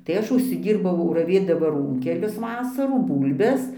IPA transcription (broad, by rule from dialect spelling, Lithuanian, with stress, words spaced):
tɐɪ ˈɐʃ ʊʃʲsʲɪˈdʲiːrbɐʊ rɐˈʋʲeːdɐmɐ ˈruːŋʲkʲɛlʲʊs ˈʋɑːsɐruː ˈbuːlʲbʲɛs